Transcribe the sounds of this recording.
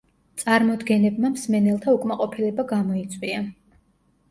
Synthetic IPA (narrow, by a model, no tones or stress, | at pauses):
t̪sʼaɾmɔd̪ɡɛnɛbmamsmɛnɛlˠt̪ʰaukʼmaqʼɔpʰilɛbaɡamɔit̪sʼwia